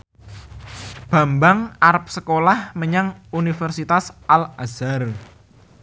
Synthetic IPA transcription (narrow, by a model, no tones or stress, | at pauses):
b̥a̤mbaŋaɾp̚səkolahməɲaŋunifərsit̪asʔalazar